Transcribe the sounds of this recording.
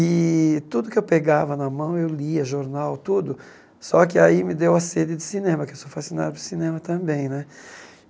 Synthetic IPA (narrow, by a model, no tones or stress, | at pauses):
ɪt̪ud̪ʊkɪewpeɡavɐnɐmɐ̃w̃ewliɐʒoɾnawt̪ud̪ʊ | sɔkɪaimɪd̪ewɐsed͡ʒ̪ɪd͡ʒ̪ɪsinẽmɐkɪewsowfasina̰d̪ɐpɾʊsinẽmɐt̪ɐ̃bẽj̃nɛ